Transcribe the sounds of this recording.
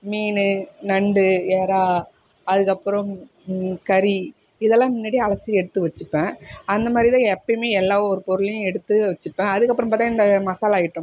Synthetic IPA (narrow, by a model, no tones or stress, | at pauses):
miːnɯnɐɳɖɯeːɾaː | ɐðɯkːɐpːɯɾɐ̃m | kɐɾi | ɪðɛlːãːmɪnːaːɽiɐɭɐsiɛɽɯt̪ːɯʋɐt͡ʃːɯpːẽːɐnd̪ɐmaːd̪ɾɪt̪ãːɛpːɐmeːɛlːaːɔɾɯpɔɾɯlɐjʊ̃ɛɽɯt̪ːɯʋɐt͡ʃːɯpːẽːɐðɯkːɐpːɯɾɐ̃mpaːt̪ãːɪnd̪ɐmɐsaːlaːjɪʈːʊ̃